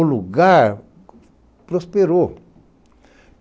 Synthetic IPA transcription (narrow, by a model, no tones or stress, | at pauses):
oluɡa | pɾospeɾo